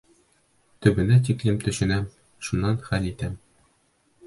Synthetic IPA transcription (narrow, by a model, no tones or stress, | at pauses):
t̪ɵ̆bɘ̆næt̪iklɘmt̪ɵ̆ʃɘ̆næm | ʃunːɑnχælit̪æm